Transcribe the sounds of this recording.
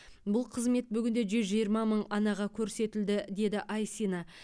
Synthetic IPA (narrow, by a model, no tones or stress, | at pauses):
bʊlˠqʰəzme̞t̪̚bʏɡʲɪnd̪e̞ʒʏzʒijəɾmɑməɴɑnɑʁɑkʲʰɵɾse̞t̪ɪld̪ɪd̪e̞d̪ɪʔɑjsinɑ